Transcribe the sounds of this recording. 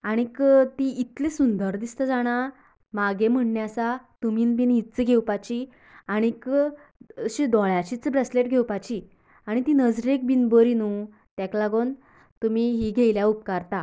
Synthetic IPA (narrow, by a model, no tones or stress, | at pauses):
aɽ̃ikt̪iːt̪lesund̪əɾd̪ist̪əd͡zaɽ̃a | maɡem̤əɳɳjasat̪uminbinit̪t͡səɡʱewpat͡ɕi | aɽ̃ik | əɕid̪ɔɭjat͡ɕit͡səbɾəsleʈɡʱewpat͡ɕi | aɽ̃it̪inəd͡zɾek̚binbəɾinu | t̪jaklaɡon | t̪umiɦiɡʱejljaup̚kaɾt̪a